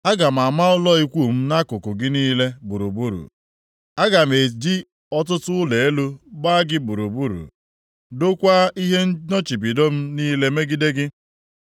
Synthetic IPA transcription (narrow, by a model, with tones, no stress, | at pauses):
a˦ɡa˨m̩˨a˨ma˦ʊ˦lɔ˦i˦kʷu˦˨m̩˦na˦kʊ˨kʊ˨ɡɪ˦niː˦le˦bu˨ɾṵ˨bu˦ɾṵ˨ | a˦ɡa˨m̩˨e˨d͡ʒi˦ | ɔ˦tʊ˦tʊ˦ʊ˦le˨e˦lu˦ba˦ɡɪ˦bu˨ɾu˨bu˦ɾṵ˨ | do˦kʷa˦i˦ɦe˦n̩˦nɔ˦t͡ʃi˨bi˨do˦m̩˦niː˦le˦me˦ɡi˦de˦ɡɪ˦